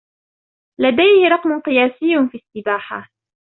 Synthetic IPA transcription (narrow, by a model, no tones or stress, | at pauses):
lad̪ajhɪɾˤɑqmʊqɨjaːsɪjːʊfiːsːɪbaːħa̰